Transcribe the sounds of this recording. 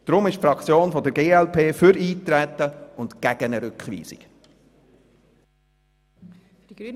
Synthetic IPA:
d̪̥ɾʊmɪʃtfɾɑkt͡sjoːnfɔd̪əɾɡeːɛlpʰeːfʏɾiːt̪ɾɛt̪ːəʊntɡ̥æɡ̥ənəɾʏkχʋḭːz̥ɪ̰k

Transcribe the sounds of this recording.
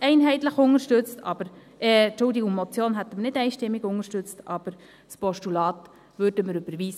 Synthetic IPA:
ɛɪnɦɛɪt̪ləχʊŋəɾʃtøt͡stɑ̰b̥əɾ | ɛt͡ʃʊldiɡʊŋmɔt͡sjoːnɦæt̪əmnɪdɛɪʃtɪmːiɡʊŋəʃtʉt͡stɑb̥əɾ | spɔʃtulɑːt̪ | vøɾd̥əməɾʉb̥əɾviːsə

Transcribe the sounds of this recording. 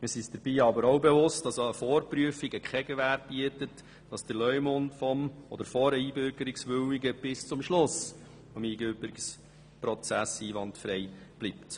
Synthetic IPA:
mɪɾsisd̥əɾb̥iːɑbəɾowbeʋʊstɑsoəfɔːɾpɾyəfiɡəkʰɛɡəʋæɾt̚b̥iətət | d̥ɑsd̥əlœʏmʊntfɔmɔd̪əɾfɔɾəiːbøɾɡəɾiksʋøwiɡəb̥ɪst͡sʊmʃlʊs | fɑmiːɡøbəɾiks | prɔt͡sæsiːʋɑntfɾɛjb̥lipt

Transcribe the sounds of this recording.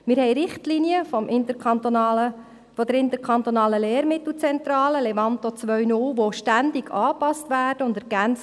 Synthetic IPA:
mɪːɾhɛjɾɪχtliniəfmʔɪnt̪ətːə | fɔd̪əɾɪnt̪əkʰɑnt̪onɑːləleːɾmɪt̪l̩ˠt͡sɛnt̪ɾɑːləlevɑnt̪ot͡sʋœɥnʊlʋoʃtænd̪ɪɡʰɑːpɑstʋæːrd̥əʊndɛɾɡ̥ænt͡s

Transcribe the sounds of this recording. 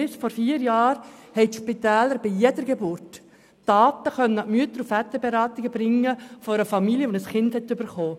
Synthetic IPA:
ɪsfɔɾfiːɾjɑːɾhɛɪtʃpitɛːləɾb̥ijɛdəɾɡebʊɾtː | ɑːt̪əχœnənɑmyət̪əɾufæt̪əbeɾɑːt̪ɪɡəbɾɪŋːəfɔɾəfɑmiljəʋonəsχɪnd̥hɛtybəɾχoː

